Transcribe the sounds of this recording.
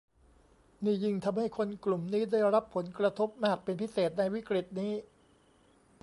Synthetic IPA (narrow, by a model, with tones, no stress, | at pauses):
niː˥˩ji˧ŋt̪ʰa˧mha˥˩jkʰo˧nklu˨˩mniː˦˥da˥˩jɾa˦˥pʰːo˩˦nkɾa˧t̪ʰo˦˥p̚maː˥˩k̚pe˧npʰi˦˥˩seː˨˩t̪̚na˧jwi˦˥kɾi˨˩t̪̚niː˦˥